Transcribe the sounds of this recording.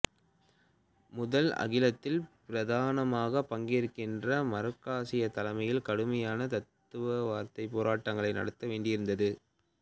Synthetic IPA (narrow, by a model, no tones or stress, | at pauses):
mʊðɐlɐ̰ɣɪlɐt̪ːɪlpɪɾɐðaːnɐmaːɣɐpːɐŋɡeɾɯkːɪndrɐmɐɾɯkːaːsɪjɐt̪ːɐlɐmɐjɪlkɐɽɯmɐjaːnɐt̪ɐt̪ːɯʋɐʋaːɾt̪ɐɪpːoːɾaːʈːɐŋɡɐɭɐɪnɐ̰ɽɯt̪ːɐʋeːɳɖɪjɪɾɯnd̪ɐðɯ